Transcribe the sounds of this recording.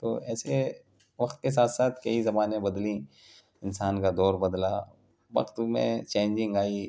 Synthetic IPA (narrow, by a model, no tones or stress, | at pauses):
t̪o̰ːɛːse | ʋɐqt̪̚kes̬aːt̪saːt̪ʰkɐizɐmaːnẽbɐd̪lĩ | ɪnsaːnkad̪ɔːɾbɐd̪la̰ | ʋɐ̰qt̪mḛ̃t͡ʃẽːnd͡ʒɪ̃ŋɡaːi